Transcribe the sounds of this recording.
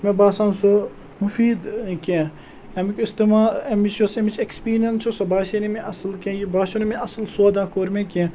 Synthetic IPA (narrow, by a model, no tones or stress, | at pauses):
mẽbaːsãːnso | mufiːd̪kẽː | ɐmikʲist̪imaːemit͡ʃjosemit͡ʃʰekspiːɾjɐnsosɐbaːʃenimẽʔɐslkẽːjibaːʃonimẽɐslsoːd̪ãːkoːɾmẽkʲẽ